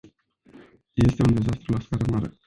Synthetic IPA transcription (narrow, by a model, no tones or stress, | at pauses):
je̞st̪e̞und̪e̞zast̪ɾulaskaɾəmaɾə̰